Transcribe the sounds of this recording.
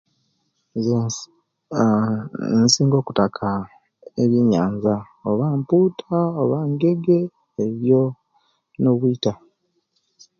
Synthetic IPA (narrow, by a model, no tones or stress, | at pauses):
z | nsiːŋɡo̞ːku̥takʰa | ḛβjiɲaːɲza | o̞βaːmpuːtʰaoβaːŋɡe̞ɡeː | ɾjo | no̞βwiːta